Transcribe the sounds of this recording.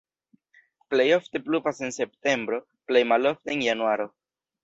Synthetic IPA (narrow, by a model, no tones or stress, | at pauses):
ple̞jo̞fte̞pluvase̞nse̞pte̞mbɾo̞ | ple̞jmalo̞fteenjanuaɾo̞